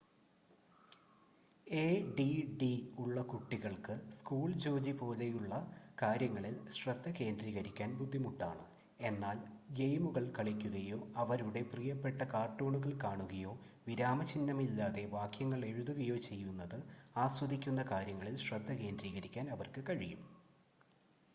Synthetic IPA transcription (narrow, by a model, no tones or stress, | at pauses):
eːɖiɖiuɭːɐkuʈːiɣɐɭkɨskuːɭd͡ʑo̞ːd͡ʑipo̞ːle̞juɭːɐkaːɾjɐŋːɐɭilɕrɐd̪ʱːɐke̞ːndriːɣɐɾikʲːaːnbud̪ʱːimuʈːa̰ːɳɨ | e̞nːaːlɡejmuɣɐɭkɐɭikʲːuɣɐjo̞ːɐʋɐɾuɽe̞prijɐpːe̞ʈːɐkaːrʈːo̞ːɳuɣɐɭkaːɳuɣɐjo̞ː | ʋiɾaːmɐt͡ɕinːɐmilːaːðe̞ʋaːkjɐŋːɐɭe̞ɻuðuɣɐjo̞ːt͡ɕe̞jːunːɐðɨaːswɐðikʲːun̪ːɐkaːɾjɐŋːɐɭilɕrɐd̪ʱːɐke̞ːndriːɣɐɾikʲːaːnɐʋɐrkɨkɐɻijum